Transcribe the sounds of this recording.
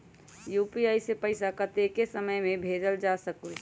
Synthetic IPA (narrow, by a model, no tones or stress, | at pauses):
juːpiaisepəɪsakət̪ekesəməjmẽbʱeːd͡ʒəld͡ʒasəku